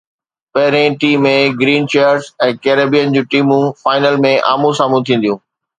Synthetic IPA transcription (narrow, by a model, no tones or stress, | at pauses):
pɐɦɪɾẽʈiːmːẽɡɾiːnt͡ɕeːəɾzɛ̃ːkeːɾeːbijənd͡ʑũːʈiːmũfaːɪnəlmẽʔa̰ːmũsaːmũt̪ʰĩːn̆d̪ijũː